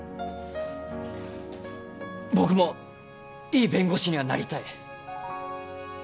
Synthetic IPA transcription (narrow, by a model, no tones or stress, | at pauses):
bo̞kɯ̟mo̞ | iːbẽ̞ŋɡo̞ɕiɲ̟iβana̰ɾʲit̪ai